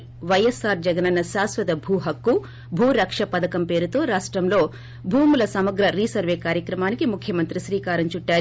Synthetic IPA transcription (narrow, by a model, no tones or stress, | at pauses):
ʋɐjesaːɾd͡ʒɐɡɐnɐnːɐʃaːsʋɐd̪ɐbʱuːɦɐkːu | bʱuːɾɐkʂɐpɐd̪ɐkɐmpe̞ːɾut̪o̞ːɾaːʂʈɾɐmlo̞ː | bʱuːmulɐsɐmɐɡɾɐɾiːsɐɾʋeːkaːɾjɐkɾɐmaːnikimukʰːjɐmɐnt̪ɾiʃɾiːkaːɾɐɲt͡ʃuʈːaːɾ